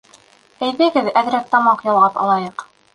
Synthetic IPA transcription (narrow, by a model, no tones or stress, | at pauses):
æjðɘɡɘðæðɘ̆ɾæk̚t̪ɑmɑqjɑlˠʁɑpɑ̰lˠɑjɤq